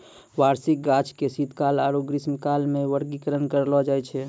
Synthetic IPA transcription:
ʋaɾsik̚ɡat͡ʃʰkesid̪kalaɾoɡɾismkalmẽʋəɾɡikəɾənkəɾlɔd͡ʒajt͡ʃʰɛ

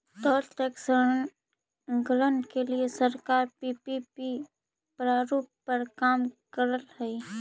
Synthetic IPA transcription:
t̪ɔːɾʈ̪eːksən | ɡələnkeliesəɾkaːɾpiːpipi | pɾaːɾuːp̚pəɾkaːmkəɾəlhɛi

